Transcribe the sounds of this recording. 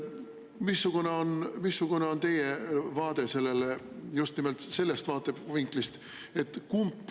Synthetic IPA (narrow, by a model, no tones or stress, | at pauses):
misːukuneonmisːukune̞o̞nt̪e̞jevɑːd̪̥e̞se̞lːele | just̪nimelt̪se̞lːe̞st̪vɑːt̪ːˑeb̥viŋklist̪ | e̞t̪ːˑkumpːˑ